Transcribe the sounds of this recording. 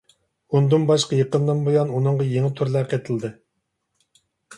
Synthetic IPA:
und̪ɨnbɑʃqɑjeqənd̪ɨnbojɑnunɨŋʁɑjeŋɪt̪ʰuɾlˠɛqet̪ʰɨlˠd̪ɨ

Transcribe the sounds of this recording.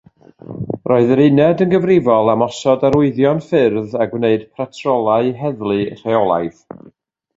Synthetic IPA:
rʔɔɨðɾɪnɛdənɡəvrɪvɔlˠamɔsɔdaɾʊɨðjɔnfɪrðaɡvneɨd̥pʰratʰrɔlˠaɨɦɛðlˠɨr̥eɔlˠa̰jð

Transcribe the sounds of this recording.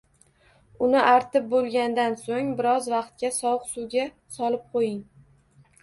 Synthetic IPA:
ʊnɪʔaɾt̪ɪp̚bolˠɡʲand̪ansoŋbɪɾɒzvɑqt̪̚kʲasɒwqsuwɡʲa | sɒlɪp̚qʰojɪŋ

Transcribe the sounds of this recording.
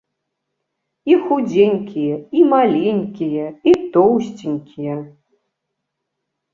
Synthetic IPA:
ixud͡zʲenʲkʲijɛimalʲenʲkʲijɛit̪ɔwsʲt͡sʲinʲkʲʰijɛ

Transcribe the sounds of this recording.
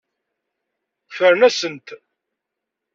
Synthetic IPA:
fəɾnæsənt̪

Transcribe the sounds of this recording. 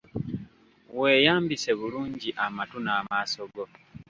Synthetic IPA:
we̞ːjaːmbise̞βuluːɲɟiʔamatunaːmaːso̞ɡo̞

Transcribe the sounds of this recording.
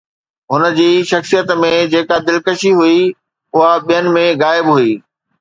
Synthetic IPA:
ɦʊnə̆d͡ʑiːʃɐxsijət̪mẽd͡ʑeːkad̪ɪlkəʃiɦui | ʊɦaɓijənɪ̆mẽɣaːɪbɦuiː

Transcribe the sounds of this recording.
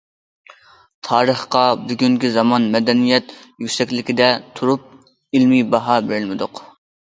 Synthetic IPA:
t̪ʰɑːɾəχqɑbyɡʲyŋkʲizɑmɑnmɛd̪ɛnijɛt̪jykʲsɛkʲlɪkʲid̪ɛt̪ʰːuɾup̚ | ɪlmibɑɦɑbeɾɪlmɪd̪ʊq

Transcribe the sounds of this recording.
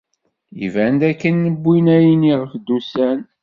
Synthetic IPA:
ḭvænd̪ækːənːəbʷːinæjəniʁəfd̪usæn

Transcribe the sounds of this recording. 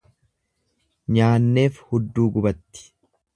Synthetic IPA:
ɲaːnːe̞ːfhʊd̪ːuːɡʊbɐt̪ːɪ̥

